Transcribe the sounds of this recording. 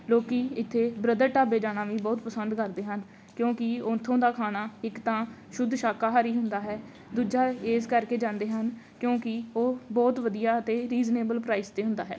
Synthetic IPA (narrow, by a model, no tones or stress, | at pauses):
loːkiːɪt̪ʰːeːbɾəd̪əɾʈaːbeːd͡ʒaːnaːʋĩːbɔːt̪pəsənd̪kəɾd̪eːɦən | kjõːkɪõnt̪ʰːõːd̪aːkʰaːnaːɪkt̪ãːʃʊd̪ʱʃaːkaːɦaɾiːɦʊnd̪aːɦɛː | d̪uːd͡ʒaːeːskəɾkeːd͡ʒãːnd̪eːɦənkjõːkɪoːbɔːt̪ʋəd̪ijaːət̪eːɾiːzneːbəlpɾaːɪst̪eːɦʊ̃nd̪aːɦɛ̰ː